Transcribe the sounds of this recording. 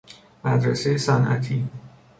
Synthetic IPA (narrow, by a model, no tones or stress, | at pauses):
mæd̪ɾæsejesænʔæ̰t̪ʰiː